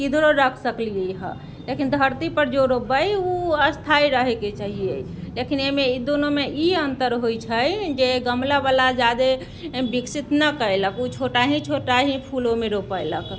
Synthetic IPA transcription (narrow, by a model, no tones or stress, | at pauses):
kid̪ʱɾoɾəkʰsəklijeɦə̰̃ | lekind̪ʱəɾt̪ipəɾd͡ʒoɾopəjuəst̪ʰaiɾəɦɛket͡ʃaɦije | lekinemeid̪onomeʔiənt̪əɾɦojt͡ʃʰəjd͡ʒeɡəmlabalad͡ʒad̪e | biksit̪nəkəeləkut͡ʃʰoʈaɦĩt͡ʃʰoʈaɦĩpʰulomeɾopəjlək